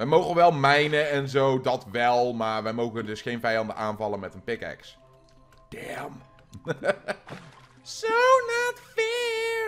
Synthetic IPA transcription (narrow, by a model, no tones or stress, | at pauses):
ʋɛjmowɣənʋɛlˠmɛjnəɛnzowdɑtʋɛlˠmaːɹʋɛjmowɣədɵsχejnvɛjɑndəʔaːnvɑlənmɛtənpɪkɛ̰ks | d̥ɛm | sonatfɪːɹ